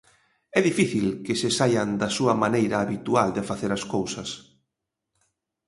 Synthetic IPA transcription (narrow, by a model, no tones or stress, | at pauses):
ɛðifiθilkɪsɪsajɐnd̪ɐsuɐmanejɾɐːβit̪uald̪efaθeɾɐskowsɐs